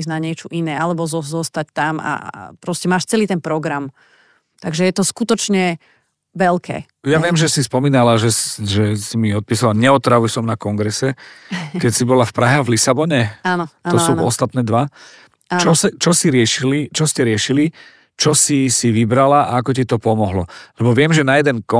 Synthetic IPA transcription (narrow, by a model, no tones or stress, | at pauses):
znaɲɛt͡ʃuʔinɛːalɛbɔzɔzɔst̪ac̚t̪ama̰pɾɔscɛmaːʃt͡sɛliːt̪ɛnpɾɔɡɾam | t̪aɡʒɛjɛt̪ɔskut̪ɔt͡ʃɲɛ | ʋɛlkʰɛ̰ː | jaʋɪɛmʒɛsispɔmiːnalaʒɛsʒɛsimiɔt̪̚piːsalaɲɛɔt̪ɾaʋujsɔmnakɔŋɡɾɛsɛkɛcsibɔlafpɾaɦɛavlisabɔɲɛanɔɔsuːɔst̪at̪nɛːd̪ʋa | at͡ʃɔsɛt͡ʃɔsiɾɪɛʃilit͡ʃɔscɛɾɪɛʃili | t͡ʃɔsisiʋibɾalaa̰akɔc̬it̪ɔpɔmɔɦlɔlɛbɔʋɪɛmʒɛnajɛd̪ɛnkɔ